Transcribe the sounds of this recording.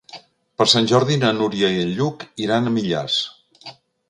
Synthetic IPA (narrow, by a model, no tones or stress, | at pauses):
pəɾsanʲʒɔɾðinənuɾjəiəʎʎukiɾanəmiʎa̰s